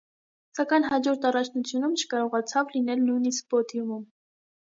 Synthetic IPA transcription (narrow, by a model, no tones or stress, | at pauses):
sɑkɑjnɦɑd͡ʒɔɾt̪ɑrɑt͡ʃʰnut͡sʰjunumt͡ʃʰə̥kɑɾɔʁɑt͡sʰɑvlinɛlnujnisk̚bɔt̪jumum